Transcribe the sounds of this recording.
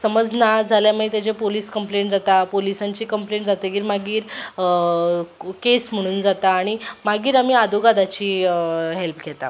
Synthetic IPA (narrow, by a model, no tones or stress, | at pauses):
səməd͡znad͡zʱaljaməit̪ad͡ʑepoliːskəmpleɳʈd͡zat̪apolisãɲt͡ɕiːkəmpleɳʈd͡zat̪eɡiːɾmaɡiːɾ | kesm̤əɽ̃uːnd͡zat̪aːɽ̃imaɡiːɾamiːad̪ʱuɡad̪at͡ɕiːɦelpɡʱɛt̪a̰